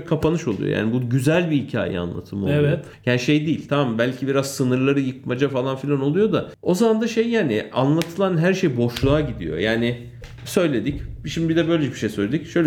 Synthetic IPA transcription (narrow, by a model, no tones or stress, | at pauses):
kʰapanɯʃo̞lˠṵjo̰ja̰ːnibuɟyzælʲbihicʰa̰ːjḭa̰nlˠa̰t̪ʰɯmolˠo | jaːniʃejd̪iːilʲt̪ʰamambælʲcʰibiɾazsɯnɯɾlˠaɾɯjɯk̚mad͡ʒafalˠanfilʲano̞lˠujo̞d̪a | o̞zamand̪aʃejːaːnɪanlˠat̪ʰɯlˠanɦæɾʃejbo̞ʃlˠuaɟid̪ḭjo̞̰jaːnɪ | sø̞jlʲe̞d̪icbʃimd̪ibid̪ɛbø̞jlʲeɛbiʃejsø̞jlʲed̪icʃø̞jlʲ